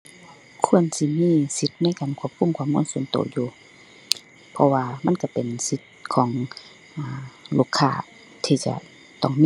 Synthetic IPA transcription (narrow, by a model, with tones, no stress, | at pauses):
kʰu˧˨ənsi˧miː˧˥˨si˧t̪̚na˧˥˨jkaː˨nkʰu˧˥˨p̚kʰu˧˥˨mkʰu˧˥˨mːŋu˧˥˨nso˨˦nt̪o̰ː˨˩juː˨˧ | pʰɔ˧waː˧ma˧˥˨nka˧˩pe˨nsi˧˦t̪̚kʰɔː˨˦ŋ | ʔaː˨˩lu˧˩kʰːaː˧˩ | t̪ʰiː˧t͡ɕa̰˧˩ | t̪ɔ˧˩ŋmiː˧